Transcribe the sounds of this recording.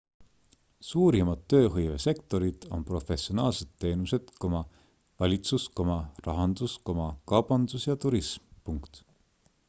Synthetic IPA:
suːɾimɑd̪ːø̞ːɦɤjve̞se̞kt̪o̞ɾid̪̥o̞̰npro̞fe̞sʲio̞nɑːlse̞d̪ːe̞ːnuse̞d̪̥ko̞mɑ | vɑlʲit̪susko̞mɑrɑɦɑnd̪̥usko̞mɑkɑwb̥ɑnd̪usjɑt̪uɾismpuŋkt̪

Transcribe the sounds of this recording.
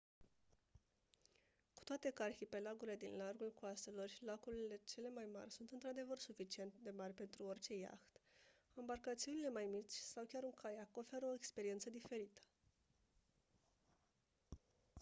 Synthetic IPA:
ku̥t̪oat̪e̞karxipe̞laɡuɾile̞d̪inlarɡulkoaselo̞rʲlakuɾile̞t͡ʃe̞le̞majma̰rʲsunt̪ɨnt̪ɾad̪e̞vərsufit͡ʃie̞nt̪d̪e̞marʲpe̞nt̪ɾuo̞rʲt͡ʃe̞ja̰xt̪ | ambarkat̪siunile̞majmit͡ʃʲsawkʲaɾuŋkajako̞fe̞ɾəo̞ekspe̞ɾie̞nt̪səd̪ife̞ɾit̪ə̥

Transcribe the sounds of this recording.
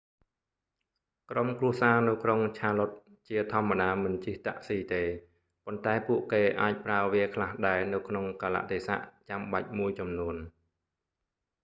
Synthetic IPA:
kromkruəhsaːnɨwkroŋt͡ɕʰaːlot̪̚ | t͡ɕiət̪ʰŏəmːaɗaːmɨnt͡ɕiht̪a̰ʔsiːt̪eː | pont̪aɛpuəʔkeːʔaːc̚praəʋiəkʰlahɗaɛnɨwkʰnoŋkaːla̰ʔt̪ʰeːsa̰ʔt͡ɕamɓac̚muəjt͡ɕɑmnuən

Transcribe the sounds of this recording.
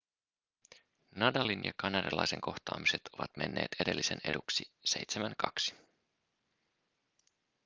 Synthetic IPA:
nɑdɑlinjɑkɑnɑdɑlɑ̰jse̞̰ŋko̞xt̪ɑːmise̞t̪o̞ʋɑt̪me̞nːe̞̰ːt̪ede̞lːise̞ne̞̰duksise̞jt̪semænkɑksi̥

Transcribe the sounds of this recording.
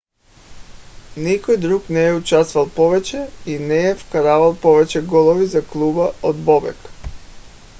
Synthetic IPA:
nikɔjd̪ɾuknɛɛut͡ʃast̪valˠpɔvɛt͡ʃɛinɛɛfkaɾavalˠpɔvɛt͡ʃɛɡɔlˠɔvizaklˠubaod̪bɔbɛ̰k

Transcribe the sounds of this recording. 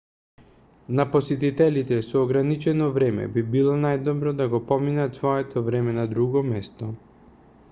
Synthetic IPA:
napɔsɛt̪it̪ɛlit̪ɛsɔːɡɾanit͡ʃɛnɔvɾɛmɛ̰bibilˠɔnajd̪ɔbɾɔd̪aɡɔpɔminat̪svɔɛt̪ʰɔvɾɛmɛnad̪ɾuɡɔmɛst̪ɔ

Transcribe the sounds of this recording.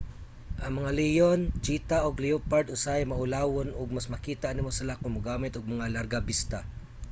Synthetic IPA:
ʔɐŋmɐŋalijont͡ʃiːt̪aʔoɡlɪopaɾd̪ʊsajmɐʔʊlaːwonʊɡ̚mɐsmɐkiːt̪aʔnɪmosɪlakʊŋmʊɡaːmɪt̪ʊɡ̚mɐŋalɐɾɡabɪst̪a

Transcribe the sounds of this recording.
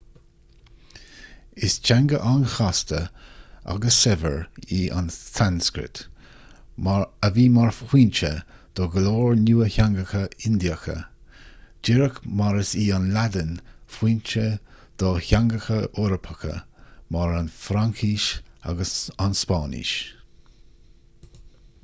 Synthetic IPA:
ɪst͡ʃʰaŋɡəʔanxast̪əa̰ɡəsɛvə̰ɹiːʔa̰nsanskɾɪ̰t̪ | əviːmaɹfxwiːnt͡ʃə̰d̪̥ɔɡəloːɹnuːəçaŋɡəxəɪnd̪iəxə̰ | d͡ʒɪɾəkmaɾəsiːanlad̪ənfwiːnt͡ʃə | d̪̥ɔçaŋɡəxəoɾəpʰəkə̰maɹanfɾaŋkʰiːʃa̰ɡəsanspɑːnḭʃ

